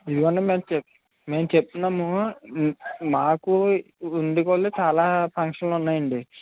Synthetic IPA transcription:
id̪uʋɐɳːeːmemt͡ʃe | meːmt͡ʃepːinaːmu | maːkuː | nd̪ikolet͡ʃaːlaːpʰɐŋkʂɐnlunːaːjɐɳɖi

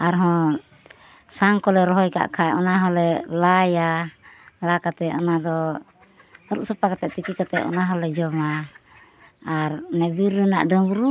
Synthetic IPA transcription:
aɾɦɔ̃ | saŋkɔlɛɾɔɦɔjka̰ʔkʰaɛɔnaɦɔlɛlaja | lakat̪ɛɔnad̪ɔ | ɾṵʔsɔpakat̪ɛʔt̪ik̪ikat̪ɛ̰ʔɔ̰naɦɔlɛd͡ʒɔma | ɾnɛbiɾəna̰ʔɖəmbuɾu

